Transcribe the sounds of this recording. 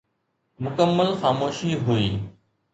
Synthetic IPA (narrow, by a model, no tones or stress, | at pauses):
mʊkəmːəlxaːmoːʃiɦʊiː